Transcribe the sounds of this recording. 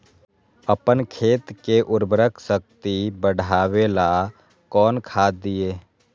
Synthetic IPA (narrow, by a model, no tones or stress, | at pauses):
əpənkʰeːt̪keʔʊɾbɾəkʰsək̚t̪ibəɽʱaːwela | kɔːnkʰaːd̪ijeː